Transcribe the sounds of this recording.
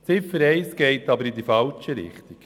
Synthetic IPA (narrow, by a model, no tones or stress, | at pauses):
t͡sɪfəɾɛɪsɡ̥ɛɪtɑbəɾid̪ifɑlt͡ʃəɾɪ̰χt̪ik